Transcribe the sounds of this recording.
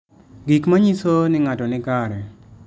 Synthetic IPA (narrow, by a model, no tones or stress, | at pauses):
ɡikmaɲisonɪŋatɔnɪkaɾɛ